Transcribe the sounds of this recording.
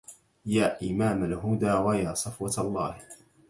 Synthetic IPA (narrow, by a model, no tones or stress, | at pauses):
jaːʔɪmaːmalɦʊd̪aːwajaːsˤɑfwɑt̪ɑlˤːɑːh